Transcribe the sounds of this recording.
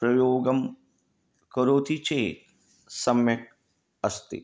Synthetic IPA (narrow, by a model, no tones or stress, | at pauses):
pɾɐjoːɡəm | kɐɾoːt̪it͡ʃeːk | sɐmjɐ | ɐst̪ḭ